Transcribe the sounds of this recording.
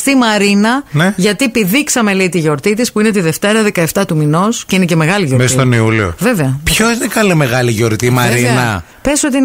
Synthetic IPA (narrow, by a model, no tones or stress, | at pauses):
st̪imɐɾinɐneʝɐt̪ipiðiksɐme̞leit̪iʝo̞ɾt̪it̪ispuine̞t̪iðe̞ft̪e̞ɾɐðekɐe̞ft̪ɐt̪umino̞sceinece̞me̞ɣɐliʝoɾmesst̪oniulio̰ve̞veɐpçoinekɐlime̞ɣɐliʝo̞ɾt̪imɐɾinɐ | pesot̪̬in